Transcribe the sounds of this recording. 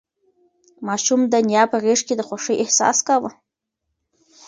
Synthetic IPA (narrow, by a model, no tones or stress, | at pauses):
maʃumd̪anjapʰareʂkʲid̪aχʷaʂəjʔeħsa̰skʼawa